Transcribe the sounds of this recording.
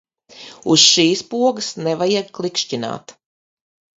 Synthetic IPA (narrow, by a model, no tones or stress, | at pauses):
usʃiːspuɔɡəsnɛvajɛɡklˠikʃcina̰ːt̪